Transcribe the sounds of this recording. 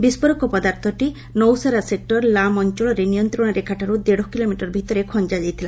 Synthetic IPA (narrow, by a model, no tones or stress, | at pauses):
bispɔɾɔkɔpɔd̪aɾt̪ʰɔʈi | nɔwsaɾasek̚ʈɔɾlamɔnt͡ʃɔɭɔɾenijɔnt̪ɾɔɽ̃ɔɾekaʈaɾud̪eɽɔkilomiʈɔɾbʱit̪ɔɾekʰɔnd͡ʒad͡ʒajt̪ʰila